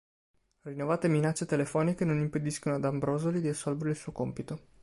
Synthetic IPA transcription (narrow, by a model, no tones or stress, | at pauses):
rinːovaːt̪eminat͡ʃːet̪elefɔːnikenonimped̪iskonoad̪ambɾoːzolid̪iisːɔlveɾeilsuːokompit̪o